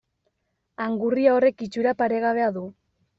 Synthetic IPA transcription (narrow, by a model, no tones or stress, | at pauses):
aŋɡuriao̞re̞kit͡ʃuɾapaɾe̞ɣ̞aβ̞e̞aðu